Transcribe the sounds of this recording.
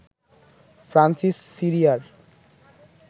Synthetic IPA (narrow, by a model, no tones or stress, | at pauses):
fʰɾansisːiɾiaɾ